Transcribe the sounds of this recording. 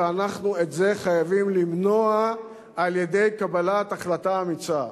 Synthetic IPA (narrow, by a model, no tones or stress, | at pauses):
anaχnuetze̞χajavimlimno̞aː | lje̞d̪e̞jkabalataχlataːmit͡sa